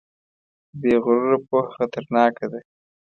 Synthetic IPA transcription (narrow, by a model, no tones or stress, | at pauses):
beɣʊɾɾapoxat̪aɾnɑːkad̪e